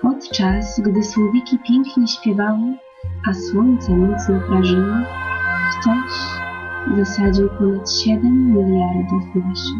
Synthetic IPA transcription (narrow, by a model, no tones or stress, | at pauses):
pɔt̪t͡ʂasɡd̪ɘswɔvʲikʲipʲjɛŋkɲɛɕpʲjɛvawɨ | ʔaswɔɲt̪sɛmɛnt̪snɛpɾaʐɘwɨxt̪ɔɕ | vɨsad͡ʑiwpɔnat̪ɕɛd̪ɛmːʲilʲjaɾd̪ufmuʃ